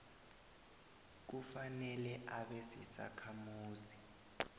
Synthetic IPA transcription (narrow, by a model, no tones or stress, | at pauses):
k̬ufanɛlɛʔaɓesisa̰kʰamuːzi